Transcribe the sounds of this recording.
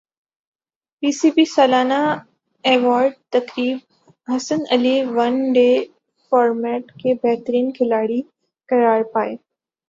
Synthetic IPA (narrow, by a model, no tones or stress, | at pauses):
piːsiːpisɐːlaːna | eːʋaːɾɖ̚t̪ɐkɾiːb | ɦɐsənɐliʋɐnɖeː | faːɾmɛːʈkʰebɛɦt̪əɾiːnkʰɪlaːɽi | kɐɾaːɾpaːeː